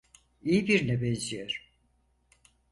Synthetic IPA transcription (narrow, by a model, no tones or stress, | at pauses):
ijibiɾnɛbɛnzijɛɾ̥